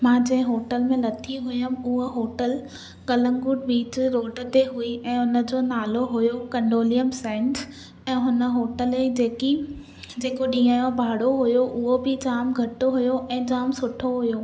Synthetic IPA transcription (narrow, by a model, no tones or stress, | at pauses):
mãːd͡ʑɐ̃ɦɪ̃ɦoːʈəlmẽlɐt̪ʰiɦʊjəmʊɦoɦoːʈəl | ɠɐlə̃ŋɡʊːʈɓiːt͡ɕɾoːɖ̆t̪eɦuiʔɛ̃ːʊnə̆d͡ʑoːnaːloɦʊjokɐɳɖoːlijəmsɛ̃ːɳʈʰ | ɛ̃ːɦʊnə̆ɦoːʈəleid͡ʑeːki | d͡ʑeːkoɗĩːaːjõbʱaːɽoɦʊjoʔʊɦobʱɪd͡ʑaːmɡʱɐʈoɦʊjoʔɛ̃ːd͡ʑaːmsʊʈʰoɦʊjoː